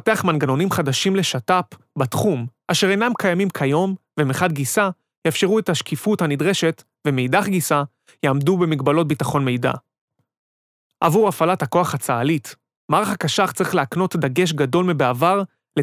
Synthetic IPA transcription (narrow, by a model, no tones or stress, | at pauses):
te̞aχmanɡano̞nimχadaʃimle̞ʃatap | batχumʔaʃe̞ʁejnamkʰajamimkʰajo̞mvemiχadɡisa | jafʃe̞ʁuetaʃkifuthanidʁe̞ʃe̞t | vemejdaχɡisa | jeːmdube̞miɡbalo̞t̚bitaχo̞nme̞jda̰ | ʔa̰vuʁafalathako̞aχhat͡saːlit | maːʁaχakaʃaχt͡saʁiχleakno̞td̪aɡe̞ʃ̬ɡado̞lmibeavaʁ | le